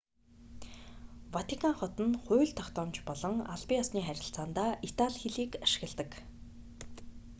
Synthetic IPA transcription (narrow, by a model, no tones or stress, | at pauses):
wat̪ikʰaŋχɔt̪ə̆nχʊːɮt̪ʰːɔkt̪ɔːmt͡ɕpɔɮɞ̆ŋa̰ɮpiːasniːχæɾʲɪ̆ɬt͡saːnt̪aːʔit̪aɮxeɮiːkaʃɪ̥̆ɣ̆ɮt̪ə̆k